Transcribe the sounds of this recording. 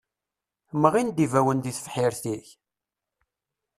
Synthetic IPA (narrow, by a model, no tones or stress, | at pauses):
məʁind̪ivæwənd̪iθfħiɾθiç